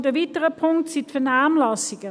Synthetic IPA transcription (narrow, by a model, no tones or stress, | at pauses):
dəvitəʁəpʰʊŋk̚tsitfɛnaːmlɑsiɡ̥ə